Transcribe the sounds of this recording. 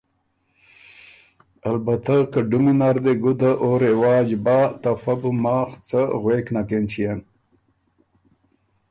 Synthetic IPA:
albat̪akəɖʊminaɾd̪eɡud̪aʔoɾewɑːd͡ʒbaːt̪afabumaːxt͡səɣweːknakent͡ʃʰijan

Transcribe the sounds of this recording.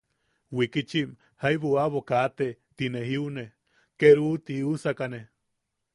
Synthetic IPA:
wikit͡ʃim | hajβuaβokat̪et̪ineɦiune | keɾut̪iusakane

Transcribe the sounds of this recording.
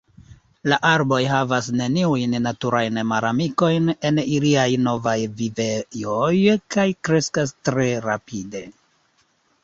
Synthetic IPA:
laʔaɾbo̞jɦavasne̞niujnːatuɾajnmaɾamiko̞jne̞niliajno̞vajvivejojkajkɾe̞skastɾe̞ɾapide̞

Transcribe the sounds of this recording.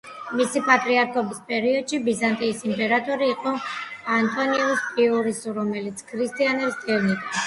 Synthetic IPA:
misipʼat̪ʼɾiaɾkʰɔbispʼɛɾiɔd̪̥ʃibizant̪ʼiːsimpʼɛɾat̪ʼɔɾiːqʼɔant̪ʼɔniɛuspʼiuɾisuɾɔmɛlit̪sʰkʰɾist̪ʼianɛbsd̪ɛɾnit̪ʼa

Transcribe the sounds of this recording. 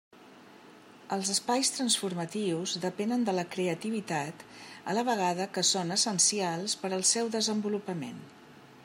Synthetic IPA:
əlˠzəspajst̪ɾənsfuɾmət̪iwzðəpɛnənd̪ələkɾeət̪iβ̞it̪at̪ələβ̞əɣ̞aðəkəsonəsənsialˠspəɾəlˠsɛwðəzəmbulupəmḛn

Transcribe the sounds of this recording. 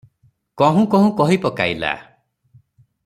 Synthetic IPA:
kɔɦũkɔɦũkɔɦipɔkajla̰

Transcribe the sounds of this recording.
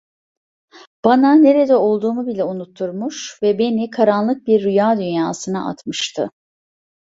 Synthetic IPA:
b̥anane̞ɾed̪ɛo̞lˠd̪uːmubilʲɛunut̪ʰːuɾmuʃvɛbe̞nikʰaɾanlˠɯk̚biɾːyjaːd̪ynjaːsɯnaʔa̰t̪mɯʃt̪ʰɯ

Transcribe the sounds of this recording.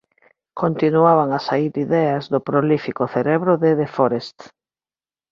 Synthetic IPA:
kont̪inuaβ̞aŋasaiɾiðɛazðʊpɾolifikʊθeɾɛβɾʊðeðefoɾest̪

